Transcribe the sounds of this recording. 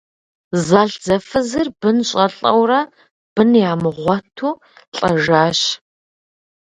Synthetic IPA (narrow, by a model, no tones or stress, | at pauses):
zaːɬd͡zɐfɨzɨrbɨnɕʼɐɬʼɐ̰wrɐ | b̥ɨnjaːmɨʁʷɔtʰuː | ɬʼɐʒaːɕ